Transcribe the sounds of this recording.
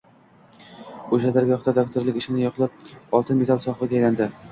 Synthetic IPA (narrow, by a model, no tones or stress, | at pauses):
oʃad̪aɾɡʲɒχt̪ad̪ok̚t̪ʰoɾlˠɪkʲɪʃɪnɪjɒqʰlˠap̚ɒlˠt̪ʰɪnmet̪ʰalˠsɒχlˠaɡʲajland̪ɪ